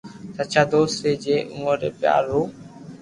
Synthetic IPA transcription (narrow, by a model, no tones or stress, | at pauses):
sət͡ʃʰaːd̪oːseːd͡ʒeːʔṵːəɾeːpɪja̰ːɾoː